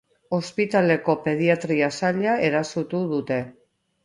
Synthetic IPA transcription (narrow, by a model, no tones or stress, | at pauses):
o̞spit̪ale̞ko̞pe̞ð̞iat̪ɾiasaʎae̞ɾasut̪uðut̪e̞